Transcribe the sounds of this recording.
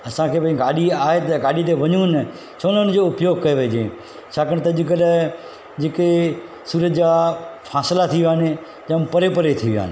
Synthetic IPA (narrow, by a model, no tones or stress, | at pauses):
ɐsãkʰeːpãĩɡaːɗiaːɦet̪ɐɡaːɗit̪eʋɐɲun | sʰoːnənɪd͡ʑoʊpjoːɡ̚kɐeʋeːd͡ʑḛ̃ | t͡ʃʰaːkəɽ̃t̪ɐʄɪk̬əl | d͡ʑeːke | suːɾət̪d͡ʑafʰaːslat̪ʰiʋaːne | d͡ʑɐmpɐɾepəɾet̪ʰiʋija̰ːne